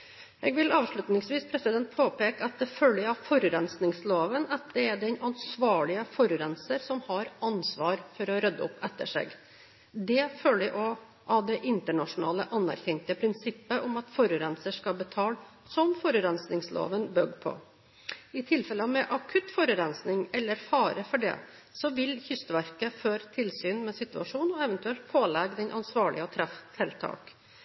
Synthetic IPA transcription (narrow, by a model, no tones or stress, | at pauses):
ʔɛːɡʋɪlɑːʋʂɭʉt̪nɪŋsʋiːspʰɾɛsɪd̪ɛnt̪̚pʰoːpeːkəɑt̪̚d̪ɛføːlːɪɑfɔɾɾɛnsnɪŋsloːʋənɑt̪̚d̪ɛæɖɛnɑnsʋɑːɭɪəfɔɾʉɾɛnsəɾsɔmhɑɾɑnsʋɑːɾfɔɾɔɾœd̪ːəɔ̰pːɛt̪ːəʂḛːɡ | d̪ɛføːlːɪʔɔ | ɑd̪ɛʔɪnt̪əɳɑʂʊnɑ̰ːləʔɑnːæ̰ɾçɛŋt̪əpʰɾɪnsɪpːəʔɔmɑt̪fɔɾʉɾɛnsəʂkɑbət̪ʰɑːl | sɔmfɔɾʉɾɛnsnɪŋslo̰ːʋənbœɡpʰɔ̰ | ɪt̪ʰɪlfɛləmɛʔɑkʰʉt̪fɔɾʉɾɛnsnɪŋɛlːəɾfɑːɾəfɔɖɛ̰ | sɔʋɪlçʏst̪ʋæɾkəføːɾt̪ʰɪlsyːnmɛsɪt̪ʉɑʂuːnɔɛʋənt̪ʉɛlt̪̚pʰoːlɛɡd̪ɛnʔɑnsʋɑːɭɪəɔt̪ʰɾɛft̪ʰɪlt̪ʰɑ̰ːk